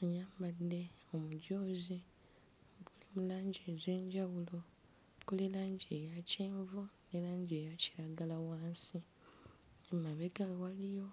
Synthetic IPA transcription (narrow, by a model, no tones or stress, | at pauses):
ajaːmbadːe̞omuɟo̞ːzi | βulimulaːɲɟeːze̞ːɲɟawulo̞ | kolelaːɲɟejaceːɱvunelaːɲɟejaci̥ɾaɡalawaːnsi | emaβe̞ɡawalijo̞